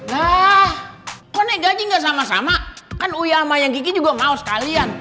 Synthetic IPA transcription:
lahkɔneɡad͡ʒiŋɡaʔs̬amasa̰makanujamajaŋkik̬id͡ʒuɡamaosə̥kalian

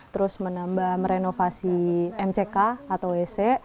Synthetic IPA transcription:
tt̪əɾʊsmənambahmɾenofasiɛmt͡ʃekaːt̪awesɛʔ

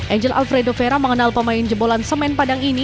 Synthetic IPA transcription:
ʔɛɲd͡ʒəlʔa̰lfɾedofeɾaməŋənalpəmaɪnd͡ʒəbolansəmɛnpadaŋini

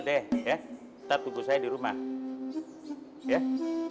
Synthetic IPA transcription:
dɛja | t̪ap̚t̪uɡusajadiɾumah | ja

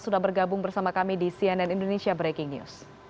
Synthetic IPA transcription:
sudahbərɡabʊŋbərsamakamidisiɛnɛnindonesiabɾekɪŋnjṵs

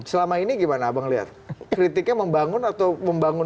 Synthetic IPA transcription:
səlamainiɡimanaːbaŋəliɦa̰t̪̚kkɾit̪ɪk̚ɲaməmbaŋʊnat̪awməmbaŋʊ

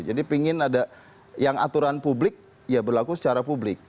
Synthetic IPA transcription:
d͡ʒadipiŋɪnada | jaŋa̰t̪uɾanpublɪk̚ | jabərlakusə̥t͡ʃaɾapublɪk̚

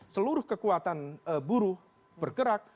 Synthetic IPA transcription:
səluɾʊhkəkuat̪anəbuɾʊh | bərɡəɾak̚

